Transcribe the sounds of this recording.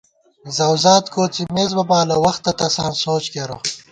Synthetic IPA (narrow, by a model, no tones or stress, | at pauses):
zɐwzaːt̪koːt͡simeːzbɐbaːlɐwɐxt̪ːɐt̪ɐsa̰ːnsoːt͡ʃkeːɾo̰